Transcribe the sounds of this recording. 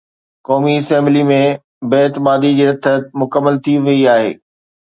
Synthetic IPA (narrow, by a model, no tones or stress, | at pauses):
kɔːmifɛːmlimẽ | beɪt̪ɪmaːd̪id͡ʑeːɾɐt̪ʰːət̪mʊkəmːəlt̪ʰiʋɐiaːɦḛː